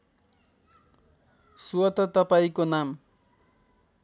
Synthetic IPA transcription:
suʌt̪ʌt̪ʌpaĩkonam

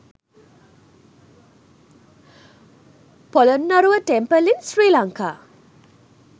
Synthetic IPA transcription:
pɔlɔnːɐɾuʋɐʈempɐlinsɾiːlaŋka

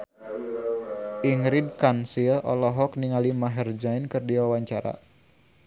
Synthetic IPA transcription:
ʔiŋɾid̚kansiəʔɔlɔɦɔkniŋalimaɦɛrd͡ʒainkɨrdiwawaɲt͡ʃaɾa̰

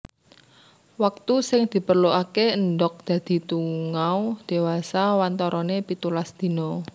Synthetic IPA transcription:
wak̚t̪usɪŋd̪̥i̤pərloʔakeəndɔk̚d̪̥ä̤d̪̥i̤t̪uŋawd̪̥e̤wasawant̪ɔɾʔɔnepit̪ulasd̪̥i̤nɔ

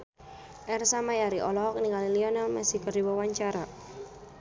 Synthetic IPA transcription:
ʔɛrsamajaɾiʔɔlɔɦɔk̚niŋaliliɔnalmɛsikɔrdiwawaɲt͡ʃaɾa

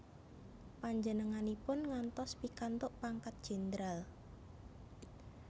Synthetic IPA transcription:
paɲd͡ʒənəŋanipʊnŋant̪ɔspikant̪ʊʔpaŋkat̪̚d̥ʒ̥e̤nd̪ɾal

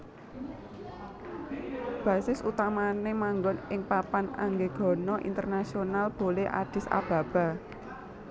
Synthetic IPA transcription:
b̥ä̤sɪsut̪amanemaŋɡɔnɪŋpapana̰ŋɡeɡ̥ɔ̤nɔʔḭnt̪ərnasionalb̥oleʔa̰d̥ɪ̤sa̰b̥a̤b̥a̤

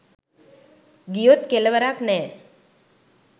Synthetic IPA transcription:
ɡijot̪keleʋəɾaknɛ

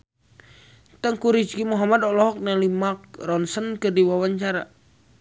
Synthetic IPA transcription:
t̪əŋkuɾid͡ʒkimuɦamadɔlɔɦɔk̚nalimak̚rɔnsənkərdiwawaɲt͡ʃaɾa

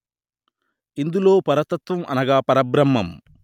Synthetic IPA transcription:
ind̪uloːpɐɾɐt̪ɐt̪ʋɐmʔɐ̰nɐɡaːpɐɾɐbɾɐmːɐm

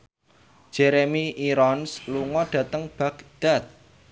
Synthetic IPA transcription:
ʒ̥ɛɾemiiɾɔnsluŋɔɖ̥ä̤t̪əŋb̥ä̤kd̪̥a̤t̪̚

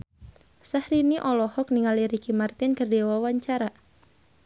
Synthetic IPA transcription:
sahɾiniʔɔlɔhɔk̚niŋaliɾikimart̪ɪnkərdewawaɲt͡ʃaɾa

